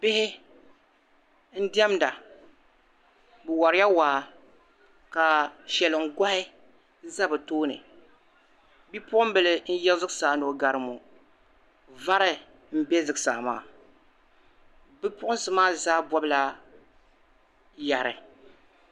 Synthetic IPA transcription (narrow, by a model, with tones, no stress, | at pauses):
b̥ɪ˦hɪ˦ | n̩˦di˦ɛ˦mda˨ | bɨ˨wa˨ɾɪ˦ja˦waː˨˦ | ka˨ʃɛ˨lɨ˨ŋ̩˦˨ɡʷa˦hɪ˦ | za˦bɨ˨toː˦nɨ̰˨ | bi˦pʊ˦ʔʊ˦m˦bɨ˨lɨ˦n̩˦jɛ˦lzɨ˦ɡsaː˨˦no˨ɡa˨ɾɨ˦mo˨ | va˦ɾɨ˦ | m̩˦bɛ˦zɨ˨ɡsa̰ː˨ma̰ː˦˨ | bɨ˦pʊ˦ʔʊ˦n˦sɨ˨maː˦zaː˦bɔ˦bɨ˦la˦ | ja˨ɾɨ̰˨